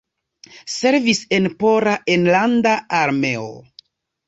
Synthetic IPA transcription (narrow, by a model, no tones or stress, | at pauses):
se̞ɾvise̞npo̞ɾaʔenlandaaɾme̞o̰